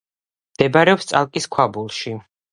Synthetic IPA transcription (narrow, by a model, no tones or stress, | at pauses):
md̪̥ɛbaɾɛɔpst̪sʼalˠkʼiskʰabulˠʃi